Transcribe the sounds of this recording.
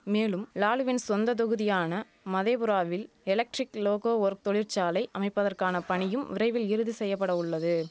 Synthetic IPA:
meːlɯmlaːlɯʋɪnsɔnd̪ɐt̪̬ɔɣɯðɪjaːnɐ | mɐðɐːpɯɾaːʋɪl | ɛlɐk̚ʈɾɪkloːɣoːʋɔɾk̚t̪ɔɭɪɾt͡ʃaːlɐɪʔɐmɐɪpːɐðɐrkaːnɐpɐɳɪjɯmʋɪɾɐɪʋɪlɪɾɯðɯsɛjːɐpːɐɽɐʊɭːɐðɯ

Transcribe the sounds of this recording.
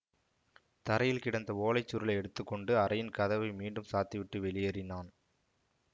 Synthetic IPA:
t̪ɐɾɐjɪlkɪɽɐnd̪ɐoːlɐɪt͡ʃːʊɾɯlɐɪɛɽɯt̪ːɯkːɔɳɖɯɐɾɐjɪnkɐðɐʋɐɪmiːɳɖɯmsaːt̪ːiʋɪʈːɯʋɛɭɪjɐɾɪnaːn

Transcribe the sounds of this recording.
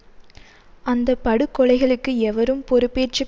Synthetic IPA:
ɐnd̪ɐpːɐɽɯkːɔɭɐɪɣɐɭɯkːɯɛʋɐɾɯmpɔɾɯpːeːt͡ʃːɯ

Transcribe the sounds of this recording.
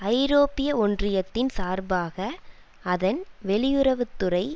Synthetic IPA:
ɐɪɾoːpɪjɐɔndrɪjɐt̪ːɪnsaːɾbaːɣɐ | ɐðɐnʋɛɭɪjɯɾɐʋɯt̪ːɯrɐɪ

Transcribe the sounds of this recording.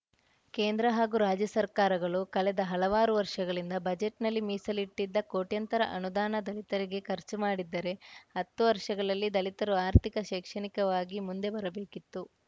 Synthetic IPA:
keːnd̪ɾɐɦaːɡuɾaːd͡ʒjɐsɐɾkaːɾɐɡɐɭukɐɭɛd̪ɐɦɐlɐʋaːɾuʋɐɾʂɐɡɐɭind̪ɐbɐd͡ʒeʈnɐlːimiːsɐliʈːid̪ːɐko̞ːʈjɐnt̪ɐɾɐ̰ʔɐnud̪aːnɐd̪ɐlit̪ɐɾiɡe̞kʰɐɾt͡ʃumaːɽid̪ːɐɾe̞ɦɐt̪ːuʋɐɾʂɐɡɐɭɐlːid̪ɐlit̪ɐɾuaːɾt̪ʰikɐʃɛːkʂɐɳikɐʋaːɡimund̪e̞bɐɾɐbe̞ːkit̪ːu

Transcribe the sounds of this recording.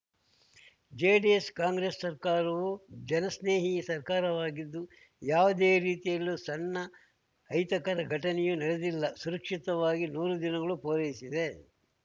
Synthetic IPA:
d͡ʒeːɖieskaːŋɡɾesːɐɾkaːɾɐʋud͡ʒɛnɐsneːɦiɐsɐɾkaːɾɐʋaːɡid̪ːu | jaːʋɐd̪eːɾiːt̪ijɐlːusɐnːɐː | jt̪ɐkɐɾɐɡʱɐʈɐnɛjunɐɭed̪ilːɐsuɾɐkʂit̪ɐʋaːɡinuːɾud̪inɐɡɐɭupoːɾɐjisid̪e̞

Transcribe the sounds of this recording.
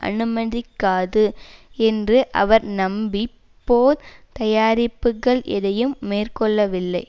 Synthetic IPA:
ʔɐ̰nɯmɐðɪkːaːðɯɛndrɯʔɐ̰ʋɐɾnɐmbi | poːɾt̪ɐjaːɾɪpːɯɣɐɭʔɛ̰ðɐjɯmːeːrkɔɭːɐʋɪlːɐɪ

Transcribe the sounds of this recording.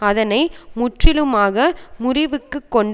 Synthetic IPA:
ɐðɐnɐɪmʊʈrɪlɯmaːɣɐmʊrɪʋɯkːɯkːɔɳɖ

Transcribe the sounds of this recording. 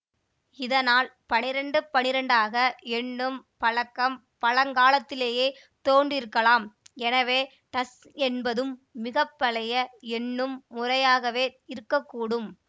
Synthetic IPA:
ɪðɐnaːlpɐnɪɾɐɳɖɯpɐnɪɾɐɳɖaːɣɐɛnːɯmpɐɭɐkːɐm | pɐɻɐŋɡaːlɐt̪ːɪleːjeː | t̪oːndrɪɾɯkːɐlaːmɛnɐʋeː | ʈɐs | ɛnbɐðɯmːɪɣɐpːɐɭɐjɐɛnːɯmːʊrɐjaːɣɐʋeːɪɾɯkːɐkːuːɽɯm

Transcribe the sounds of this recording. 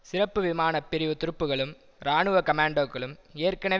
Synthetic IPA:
sɪrɐpːɯʋɪmaːnɐpːɪɾɪʋɯt̪ʊɾɯpːɯɣɐɭɯm | ɾaːɳɯʋɐkɐmaːɳɖoːkːɐɭɯmeːrkɐnɐ

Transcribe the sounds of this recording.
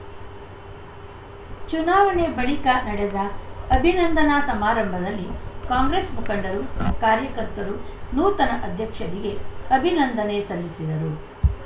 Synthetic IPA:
t͡ʃunaːʋɐɳebɐɭikɐnɐɽed̪ɐɐbʱinɐnd̪ʱɐnasɐmaːɾɐmbʱɐd̪ɐlːikaːŋɡɾeːsmukɐɳɖɐɾukaːɾjɐkɐɾt̪ɐɾunuːt̪ɐnɐʔɐd̪ʱjɐkʂɐɾiɡe̞ɐbʱinɐnd̪ʱɐnesɐlːisid̪ɐɾu

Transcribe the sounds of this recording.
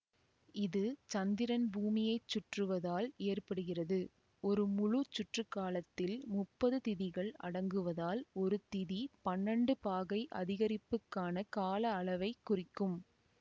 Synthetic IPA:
ɪðɯt͡ʃɐnd̪ɪɾɐnbuːmɪjɐɪt͡ʃːʊʈrɯʋɐðaːleːrpɐɽɯɣɪrɐðɯ | ɔɾɯmʊɻʊt͡ʃːʊʈrɯkːaːlɐt̪ːɪlmʊpːɐðɯt̪ɪðɪɣɐɭɐ̰ɽɐŋɡɯʋɐðaːlɔɾɯt̪ɪðipɐnːɐɳɖɯpaːɣɐɪʔɐ̰ðɪɣɐɾɪpːɯkːaːnɐkaːlɐːɭɐʋɐɪkːʊrɪkːɯm

